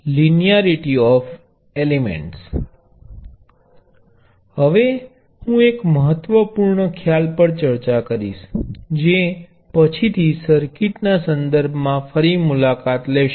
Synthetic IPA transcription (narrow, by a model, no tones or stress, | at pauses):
linijaɾiʈiɔf | elemḛ̃ɳʈs | həʋe | hũekməɦət̪ʋəpuɾɳəkʰjalpəɽt͡ʃəɾt͡ʃakəɾiʃd͡ʒe | pət͡ʃʰit̪ʰisəɾkiʈnasənd̪əɾbʱmãfəɾimulakat̪leʃ